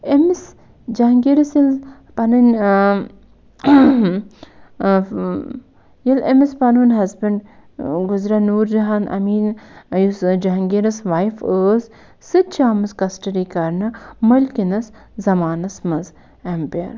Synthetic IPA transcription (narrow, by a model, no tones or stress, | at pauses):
emis | d͡ʒɐɦŋɡiɾɐsjil | pɐnɐn | jilemispɐnuːnɦɐzbɐɳɖ | ɡʊzɾanuːɾd͡ʒɐɦanʔɐ̰miːnjusd͡ʒɐɦŋɡiɾɐsʋaːjfəːz | sɨt̪̚t͡ʃaːmɨskɐsʈɐɖikɐɾnɨmɐlkinɐs | zɐmaːnɐsmɐz | empeɐɾ